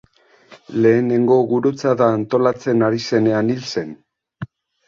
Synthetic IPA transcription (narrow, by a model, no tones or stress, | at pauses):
le̞ːne̞ŋɡo̞ɣuɾut͡saðaːnt̪o̞lat͡se̞naɾise̞ne̞anilse̞n